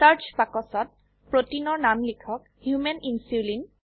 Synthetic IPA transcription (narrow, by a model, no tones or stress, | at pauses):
saɹt͡ʃpakɔsɔt̚ | pɹotinɔɹnamlikʰɔk | hjumeninsulin